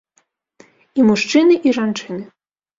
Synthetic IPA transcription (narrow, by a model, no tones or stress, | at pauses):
imuʂt͡ʂɨnɨʔiʐant͡ʂɨnɨ